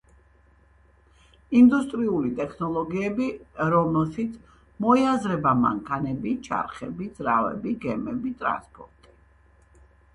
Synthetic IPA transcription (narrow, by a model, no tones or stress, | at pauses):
ind̪ust̪ʼɾiulit̪ʼɛkʰnɔlˠɔɡiɛbiɾɔmɛlˠʃit̪sʰ | mɔiazɾɛbama̰ŋkʰanɛbit͡ʃʰa̰ɾχɛ̰bid̪z̥ɾavɛ̰biɡɛmɛbit̪ʼɾa̰nspʼɔɾt̪ʼi